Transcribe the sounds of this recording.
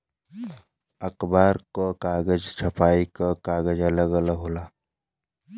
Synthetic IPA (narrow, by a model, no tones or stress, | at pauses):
əkbaːɾkokaːɡəd͡ʒt͡ʃʰəpaːikakaːɡəd͡ʒələɡələɦolaː